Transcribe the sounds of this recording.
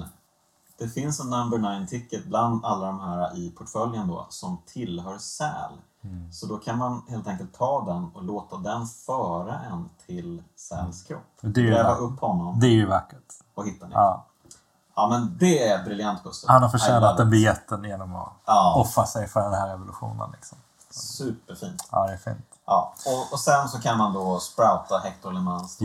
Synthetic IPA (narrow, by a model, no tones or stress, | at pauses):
d̪̥ɛfɪnsɛnambɵnajnt̪ʰɪkːət̪̚bland̪alːad̪ɔmhæːɾaʔɪpʰʊʈfœljənd̪ɔ̰sɔmt̪ʰɪlɦœːɾsɛ̰ːl | sɔd̪ɔkʰanmanheːlt̪ɛŋkəlt̪ʰːɑːd̪ɛnɔloːt̪ad̪ɛnfœːɾaʔɛnt̪ʰɪlsɛ̰ːlskʰɾɔ̰pːd̪ɛlɛːvaʔɵpːhɔnːɔmd̪ɛæɾjəvakːəʈ | ɔhɪt̪ːad̪ɑː | ɑmɛnd̪ɛæɾɛt̪̚bɾɪljant̪̚kʰɵst̪əhanhaɾfœʃɛːnat̪d̪ɛnbɪjɛt̪ːənjeːnɔmɔ̰ɔfasɛjfœɖɛnhæɾɛvʊlɵɧṵːnə̰nlɪ̰ksɔm | sʉ̟ːpːəɾfḭːnt̪ɑ̰ːd̪ɛæfḭːnt̪ʔɑːɔɔsɛnsɔkʰanmand̪ɔspɾaʊt̪aɦɛkt̪ɔɾlɛmans